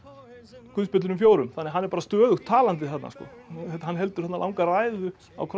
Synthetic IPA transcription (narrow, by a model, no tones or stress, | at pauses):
kʰvʏðspɪt̪lʏnmfjoːwɾʏmθanːɛɦanːɛɾpaːɾast̪œːðʏxt̪ʰːaːlant̪̬ɪθɛt̪na̰skɔ̰ɛt̪hanːɦɛlt̪ʏɾ̥θɛt̪nalawŋkaraːjðʏ | a̰wkʰ